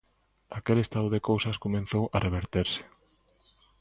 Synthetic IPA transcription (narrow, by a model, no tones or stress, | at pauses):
akelest̪aðʊðekowsɐskomẽn̟θowarʔeβ̞eɾt̪eɾsɪ̥